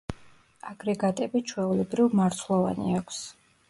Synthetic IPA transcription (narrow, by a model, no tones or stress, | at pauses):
aɡɾɛɡat̪ʼɛbit͡ʃʰwɛulɛbɾivmaɾt̪ʰlˠɔva̰nḭakʷʰs